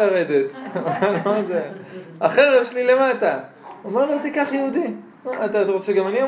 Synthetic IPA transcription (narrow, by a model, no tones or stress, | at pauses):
aʁed̪e̞t̪alomazeaχeʁevʃelile̞mata | omeʁlot̪ikaχjeud̪i | at̪atʁot͡seɡamania